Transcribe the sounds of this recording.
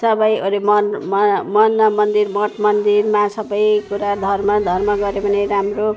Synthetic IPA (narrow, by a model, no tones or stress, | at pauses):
sʌbʌjolemʌnmʌmʌnːʌmʌnd̪irbʌʈmʌnd̪irmasʌbʌjkuɾad̪ʱʌrmʌd̪ʱʌrmʌɡʌɾebʱʌneɾamro